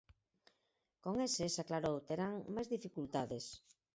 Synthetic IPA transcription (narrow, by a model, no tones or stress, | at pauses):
koŋesesaklaɾowt̪eɾaŋmajzðifikult̪aðes